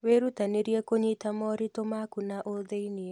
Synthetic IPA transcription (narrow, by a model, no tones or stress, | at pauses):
weɾutaneɾjekoɲitamɔɾitomakunaʔoðeinie